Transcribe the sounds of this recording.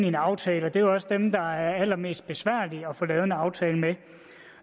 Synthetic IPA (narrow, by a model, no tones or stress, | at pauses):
nienɑ̈ʊt͡sʰɛːlɒ̽d̥e̝joɒ̽sd̥emd̥ɑ̈æɐælɐme̝̰ːsd̥̚b̥e̝sʋæɐ̰liɒ̽fɒlɛːʊð̞̩ˠenɑ̈ʊt͡sʰɛːləme